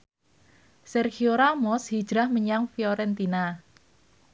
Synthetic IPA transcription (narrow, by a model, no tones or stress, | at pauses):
sɛrxioɾamɔshid̥ɾahməɲaŋfioɾɛnt̪ina